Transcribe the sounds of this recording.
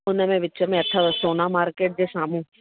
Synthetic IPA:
ʊnãmɛ̃ʋɪt͡ʃamɛ̃ɐt̪ʰːaʋɐsoːnaːmaːɾkeːʈ̚d̪esaːmũː

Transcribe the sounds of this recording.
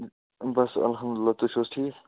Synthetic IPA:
bɐsɐ̰lɦɐmd̪ʊlɪlːaːt̪uʃʰoːsʈʰiːk

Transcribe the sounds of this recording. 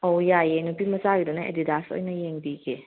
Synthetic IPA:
ojajenupimɐzaɡidɔnaḛdidaso̰jnɐjeŋdiɡe

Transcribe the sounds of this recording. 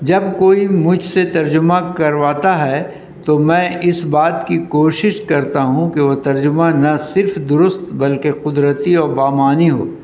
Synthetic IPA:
d͡ʒɐbkoːimʊd͡ʒʱset̪ɐɾd͡ʒʊmãkɐɾʋaːt̪aɦɛ | t̪omɛ̃ːʔɪsbaːt̪kikoːʃɪʃkɐɾt̪aɦũkeʋot̪ɐɾd͡ʒʊmãnɐsɪɾfd̪ʊɾʊst̪bɐlkeqʊd̪ɾət̪iɔːɾbaːmaːniɦo̰ː

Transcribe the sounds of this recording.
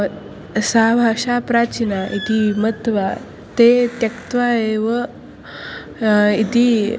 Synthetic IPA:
sabʱaʂapɾat͡ɕinait̪imət̪ʋa | t̪et̪jəkt̪ʋaeʋə | it̪i

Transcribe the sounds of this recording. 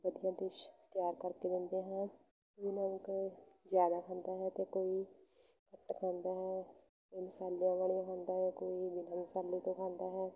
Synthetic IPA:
ʋəd̪ijãːd̪ɪʃt̪ɪjaːɾkəɾkeːd̪ɪnd̪eːɦãː | ʊnãːkzjaːd̪aːkʰãːnd̪aːɦɛːt̪eːkoːiː | kəʈːkʰãːnd̪aːɦɛː | koːiːmɪsaːlːijãːʋaːlijãːkʰãːnd̪aːɦɛːkoːiːbɪnãːmɪsaːliːt̪õːkʰãːnd̪aːɦɛː

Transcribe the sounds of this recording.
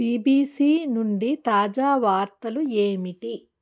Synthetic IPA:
piːbiːsiːnuɳɖit̪aːd͡ʒaːʋaːɾt̪ɐlueːmiʈi

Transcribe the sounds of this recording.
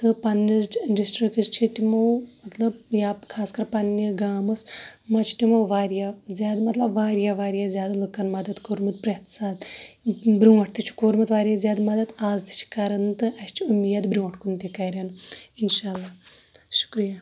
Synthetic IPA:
t̪ɨpɐnːɐsʈɖisʈɾikst͡ʃʰiʈimɐwmɐt̪lɐbjaːkʰaːskɐɾpɐnːiɡaːmɐsmɐt͡ʃʰi̥ʈimɐwʋaːɾjazʲjaːd̪mɐt̪lɐbʋaːɾjaːʋaːɾjaːzʲjaːd̪lukɐnmɐd̪ɐt̪koːɾmɨt̪̚pɾet̪saːd̪ | bɾʲuɐʈʰt̪it͡ʃʰi̥koːɾmɐt̪ʋaːɾijaːzʲjaːd̪mɐd̪ɐt̪aːzt̪i̥t͡ʃʰi̥kɐɾɐnt̪ɨɐst͡ʃʰiumijaːd̪bɾuwɐʈʰkunt̪ikɐɾʲaninʃaːlːaːʃu̥kɾija

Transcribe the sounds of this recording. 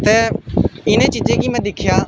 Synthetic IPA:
t̪ɛːɪneːt͡ʃiːd͡ʒẽːkiːmɛ̃ːd̪ɪkʰjaː

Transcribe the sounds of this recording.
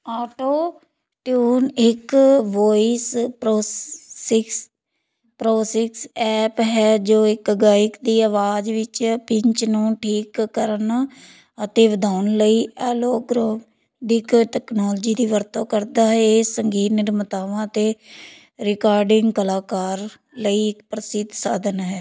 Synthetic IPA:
aːʈoː | ʈjuːnɪkʋoːispɾoːɪks | pɾoːsɪksɛːpɦɛːd͡ʒoːɪkəɡaːɪkd̪iːəʋaːd͡ʒʋɪt͡ʃpɪɲt͡ʃnũːʈʰiːkːəɾən | ət̪eːʋəd̪aːʊnləiːʔɛːloːɡɾoː | ɖɪkʈɛːknɔːld͡ʒiːd̪iːʋəɾt̪õːkəɾd̪aːɦɛeːsəŋɡiːt̪nɪɾmət̪aːʋãːt̪eː | ɾɪkaːɾɖɪŋɡkəlaːkaːɾ | ləiːɪkpɾəsɪd̪saːd̪ənɦɛː

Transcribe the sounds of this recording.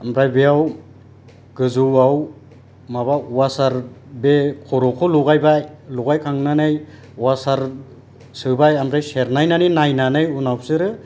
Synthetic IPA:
amɾajbeaw | ɡ̥ɯzuwaw | maβauwasaɾbekʰɔɾɔkʰɔluɣajbajluɡajkʰaŋnanɯj | uwasaɾ | sɯbajamɾajseɾnajnaninajnanɯjunawsɯɾɯ

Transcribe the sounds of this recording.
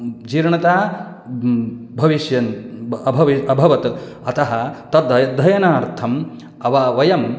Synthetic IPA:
d͡ʒiːɾɳɐt̪aː | bʱɐʋiʃjɐnɐbʱɐʋiɐbʱɐʋɐt̪ | ɐt̪ɐɦɐt̪ɐd̪ɐjɐd̪ʱːɐjɐnaːɾt̪ʰɐm | ɐʋɐʋɐjɐm

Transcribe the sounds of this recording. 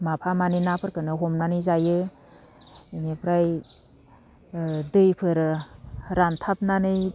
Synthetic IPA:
mapʰamanɯnapʰɯɾkɯnɯɦɔmnanɯjzajɯ | inepʰɾaj | dɯjpʰɯɾɯɾantʰap̚nanɯj

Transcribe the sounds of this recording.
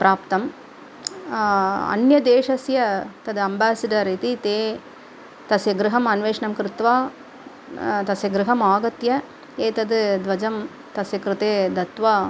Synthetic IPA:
pɾʔaːpt̪ɐm | ɐ̰njɐd̪eːʂɐsjɐt̪ɐd̪ɨɐmbaːsɐɖɐɾit̪it̪eː | t̪ɐsjɐɡɾɪɦɐmɐnʋeːʂɐɳɐmkɾɪt̪ʋaː | t̪ɐsjɐɡɾɪɦɐmaːɡɐt̪jɐ | eːt̪ɐd̪ɨd̪ʋɐd͡ʒɐm | t̪ɐsjɐkɾɯt̪eːd̪ɐt̪ʋaː

